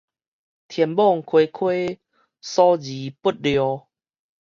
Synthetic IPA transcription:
t̪ʰɛ˨˧˦nbɔ˥˨ŋkʰwe˧kʰwe˦ | sɔ˦d͡ʑi˨˦pu˥˨t̚ljo˧

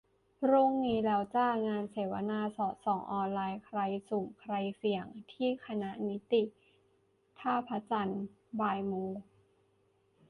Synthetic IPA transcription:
ɾuː˥˩ŋniː˦˥lɛː˦˥wt͡ɕaː˥˩ŋaː˧nseː˩˦wa̰˧˥naː˧sɔː˨˩t̪̚sɔː˩˦ŋʔɔː˧nlaː˧jkʰɾa˧jsuː˩˦mkʰɾa˧jsi˨˩˦əŋt̪ʰiː˥˩kʰa˧na˦˥ni˦˥t̪i˨˩ | t̪ʰaː˥˩pʰa˦˥t͡ɕa˧n | baː˧jmuː˧

